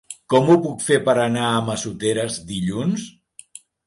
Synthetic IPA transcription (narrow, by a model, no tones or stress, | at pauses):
kɔmupukfepəɾənaəməsut̪eɾəzðiʎuns